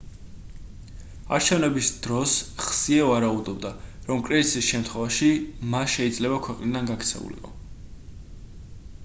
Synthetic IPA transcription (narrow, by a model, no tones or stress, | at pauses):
aɾt͡ʃʰɛvnɛbisd̪̥ɾɔsχsiɛvaɾaud̪ɔbd̪aɾɔmkʼɾɛzisisʃɛmt̪ʰχwɛvaʃimasʃɛid̪zlɛbakʰwɛqʼnid̪anɡakʰt̪sʰɛ̰ṵlḭqʼɔ̰